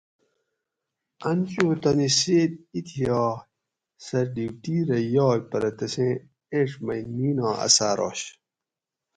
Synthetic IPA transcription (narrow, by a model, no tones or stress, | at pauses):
ɐnt͡ɕuːt̪ɐniseːd̪̚it̪ʰijɑː | sɐɾɖiwʈiːɾɐjoːjpɐɾɐt̪ɐsẽ | eʂmɐjniːnɑːɐ̰saːɾo̰ːɕ